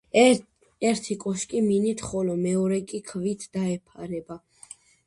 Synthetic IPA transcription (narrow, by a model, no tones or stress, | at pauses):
ɛɾt̪ʰikʼɔʃkʼiminit̪ʰχɔlɔmɛɔɾɛkʼikʰvit̪ʰd̪̥aɛpʰaɾɛba